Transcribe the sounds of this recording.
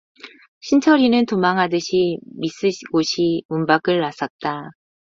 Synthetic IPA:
ɕʰint͡ɕʰʌɾinɯntomaŋɦadɯɕʰimis͈ɯɡoɕʰimumbaɡɯɭːas͈ʌt̚t͈a

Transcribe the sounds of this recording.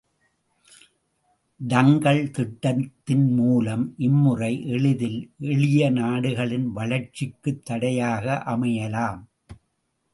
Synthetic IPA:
ɖɐŋɡɐɭt̪ɪʈːɐt̪ːɪnmuːlɐmʔɪmːɯrɐɪʔɛɭɪðɪlʔɛɻɪjɐnaːɽɯɣɐɭɪnʋɐɭɐɾt͡ʃɪkːɯt̪ːɐɽɐjaːɣɐʔɐmɐjɐlaːm

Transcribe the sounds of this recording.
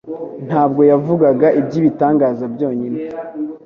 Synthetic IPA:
n̥haːb̚ɡo̞javuɡaɡaʔibɟiːβitaːŋɡaːzabjo̞ːɲine

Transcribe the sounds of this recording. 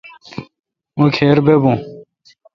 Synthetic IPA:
mũkʰeːɾbebũ

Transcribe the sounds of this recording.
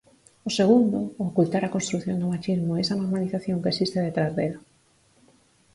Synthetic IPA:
ʊseɣ̞und̪ʊokult̪aɾakonst̪ɾuθjond̪ʊmat͡ʃizmʊesanoɾmaliθaθjoŋkesist̪ɪðet̪ɾazðeɾo

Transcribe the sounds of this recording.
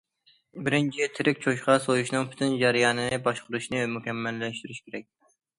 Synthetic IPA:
bɪɾɪnt͡ʃʰit̪ʰɪɾɪkʲt͡ʃʰoʃqɑsojuʃnɨŋpʰy̥t̪ʰɪnd͡ʒɛɾɨjɑːnɨnɨbɑʃqʰʊɾuʃnɨmukʲɛmːɛlːɛʃt̪yɾyʃkʲeɾɛk̚ʲ

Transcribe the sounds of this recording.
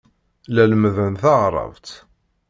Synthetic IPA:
læləmðənθɑʁɾˤɑ̰vt̪

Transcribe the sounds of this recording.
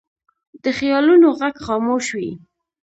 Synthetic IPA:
d̪əxjɑlunoɣaɡxɑmoʃwi

